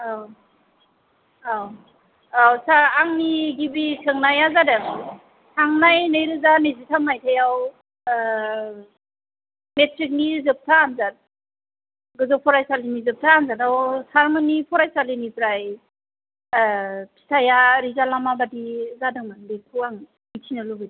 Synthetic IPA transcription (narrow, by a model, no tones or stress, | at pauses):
aw | aw | awsaːŋniɡibisʰɯŋnajazadɯŋ | sʰaŋnajnɯjɾɯzanɯzitʰanajtʰajaw | metɾik̬̚nizɯp̚tʰaːnzat̚ | ɡɯzɔpʰɔɾajsalinizɯp̚tʰaːnzatawsaɾmɯnipʰɔɾajsalinipɾaj | pʰi̥sʰajaɾizalamabadizadɯŋmanbekʰuaŋ | mitʰinɯluɡɯdi